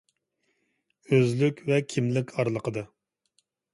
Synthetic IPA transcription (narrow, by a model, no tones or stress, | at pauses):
øzlykʲvɛkʲʰimlɪkʲʰɑɾlˠəqʰəd̪ɨ